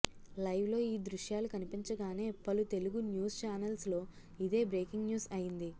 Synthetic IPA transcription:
lɐjʋlo̞ːiːd̪ɾuʃjaːlukɐnipiɲt͡ʃɐɡaːne̞ːpɐlut̪e̞luɡunjuːst͡ʃaːnɐlslo̞ː | id̪e̞ːbɾe̞ːkiŋɡnjuːsɐjind̪i

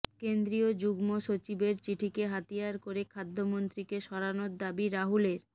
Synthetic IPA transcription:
kend̪ɾiod͡ʑuɡmoʃot͡ɕibeɾt͡ɕiʈʰikeɦat̪ijaɾkoɾekʰad̪ʱːomont̪ɾikeʃɔɾanod̪abiɾaɦuleɾ

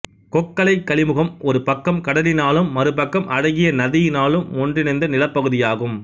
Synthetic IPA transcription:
kɔkːɐlɐɪkːɐɭɪmɯɣɐmɔɾɯpɐkːɐmkɐɽɐlɪnaːlɯmːɐɾɯpɐkːɐmʔɐɽɐɣɪjɐnɐðɪjɪnaːlɯmːɔndrɪnɐnd̪ɐnɪlɐpːɐɣɯðɪjaːɣɯm

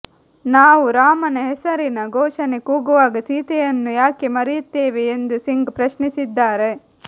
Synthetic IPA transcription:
naːʋuɾaːmɐnɐɦɛsɐɾinɐɡɔːʃɐnekuːɡuʋaːɡɐsiːt̪ɛjɐnːujaːkemɐɾijut̪ːeːʋeːnd̪usiŋɡpɾɐʃnisid̪ːaːɾe

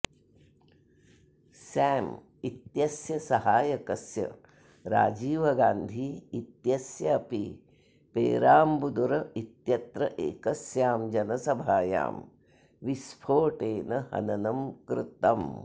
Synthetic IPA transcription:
saːm | it̪jɐsjɐsɐɦaːjɐkɐsjɐ̰ | ɾa̰ːd͡ʒiːʋɐɡaːnd̪ʱiit̪jɐsjɐːpi | pḛːɾaːmbud̪uɾɐit̪jɐt̪ɾɐʔḛːkɐsjaːmd͡ʒɐnɐsɐbʱaːja̰ːm | ʋispʰoːʈeːnɐhɐ̰nɐnɐmkɾɪt̪ɐm

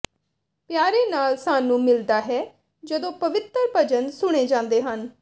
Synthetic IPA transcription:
pjaːɾeːnaːlsaːnũːmɪld̪aːɦɛː | d͡ʒəd̪õːpəʋɪt̪əɾbəd͡ʒənsʊɽ̃eːd͡ʒãːnd̪eːɦən

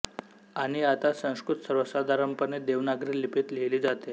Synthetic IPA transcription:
aɽ̃iat̪asə̃w̃skɾut̪səɾʋəsad̪ʱaɾəmpəned̪eʋnaɡɾiːlipiːt̪leliːd͡zat̪e

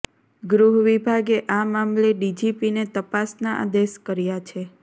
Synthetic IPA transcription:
ɡɾuɦʋibʱaɡeʔamamleɖid͡ʒipinet̪əpasnaʔa̰d̪eʃkəɾjat͡ʃʰe

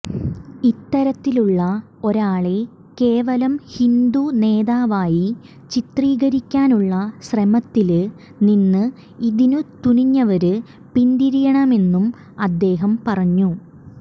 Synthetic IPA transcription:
it̪ːɐɾɐt̪ːiluɭːɐ | o̞ɾaːɭe̞ | ke̞ːʋɐlɐmhind̪une̞ːðaːʋaːji | t͡ɕit̪riːɡɐɾikʲːaːnuɭːɐɕremɐt̪ːil | ninːɨ | iðinɨt̪uniɲːɐʋɐɾɨ | pind̪iɾijɐɳɐme̞nːum | ɐd̪ːe̞ːɦɐmpɐrɐɲːu

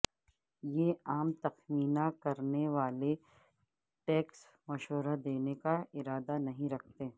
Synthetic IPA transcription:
jeːaːmt̪ɐxwiːnakɐɾneʋaːle | ʈɛːks | mɐʃɦoɾad̪eːnekaɪɾaːd̪anɐɦĩɾɐk̚ʰt̪eː

